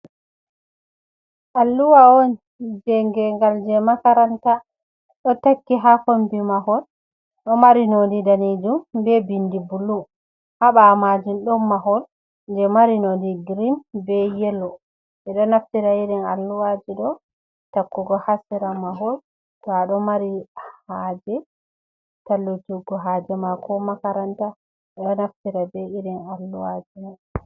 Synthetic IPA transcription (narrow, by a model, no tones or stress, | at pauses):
ʔalːuwaon | d͡ʒɛŋɡɛŋɡald͡ʒɛmakaɾanta | ɗɔtakːiɦafombimaɦɔl | ɗɔmaɾinodidanid͡ʒumbɛbindibulːu | haɓamad͡ʒinɗɔmːaɦɔl | d͡ʒɛmaɾinodiɡiɾinbɛjɛlːɔ | ɛɗɔnaftiɾaiɾɛna̰lːuwad͡ʒiɗɔ | takːuɡɔhasɛɾamaɦɔl | tɔaɗɔmaɾihad͡ʒɛ | talːud͡ʒuɡːɔɦad͡ʒɛmakʰɔmakaɾanta | ɛɗɔnaftiɾabɛiɾɛnalːuwad͡ʒidɔ